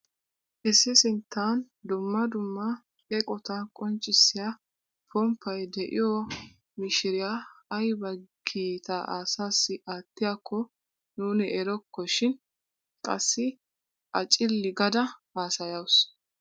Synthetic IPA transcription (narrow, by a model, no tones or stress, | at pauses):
ʔɛsːɪsɪnt̪ːaːn | d̪ʊmːɐd̪ʊmːɐ | kʼɛkʼɔt̪ɐkʼɔnt͡ʃʼːɪsːɪja | pɔmpʰːɐjd̪ɛʔɪ̰jɔ | mɪʃɪɾɪjaːjbɐɡiːt̪aʔaːsaːsːɪʔaːt̪ːɪjakʰːɔ | nuːnɪʔɛɾɔkːɔʃɪn | kʼɐsːɪ | ʔɐt͡ʃʼɪlːɪɡɐd̪ɐaːsɐjɐws